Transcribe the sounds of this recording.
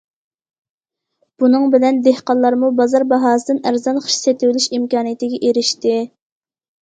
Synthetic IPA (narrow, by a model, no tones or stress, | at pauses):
b̥unɨŋbɪlɛnd̪ehqɑnlˠːɑɾmubɑzɑɾbɑɦɑːsɨd̪ɨnæɾzɑnχə̥ʃset̪ɪwlyʃimkɑːnijet̪ɪɡʲɛʔeɾɪʃt̪ɪ